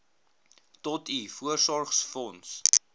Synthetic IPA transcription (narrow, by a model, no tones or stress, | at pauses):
tɔtʰifuərsɔrχsfɔns